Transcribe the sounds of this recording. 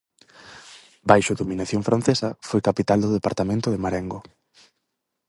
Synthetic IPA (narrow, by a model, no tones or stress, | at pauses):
bajʃʊðominaθjoŋfɾʔãn̟θesɐfojkapit̪ald̪ʊðepaɾt̪amẽnt̪ʊðemaɾɛŋɡo